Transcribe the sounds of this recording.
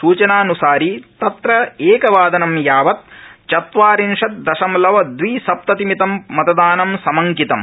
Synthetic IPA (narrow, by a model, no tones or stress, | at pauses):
suːt͡ʃɐnaːnusaːɾit̪ɐt̪ɾɐeːkɐʋaːd̪ɐnɐmjaːʋɐt̪̚t͡ʃɐt̪ʋaːɾinʂɐt̪̚d̪ɐʃɐmlɐʋɐd̪ʋisɐp̚t̪ɐt̪imit̪ɐmːɐt̪ɐd̪aːnɐmsɐmɐŋkit̪ɐm